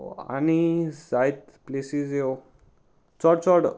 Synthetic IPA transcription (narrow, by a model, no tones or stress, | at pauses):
a̰nisajt̪ | plesizeo | t͡sɔɽt͡sɔɽ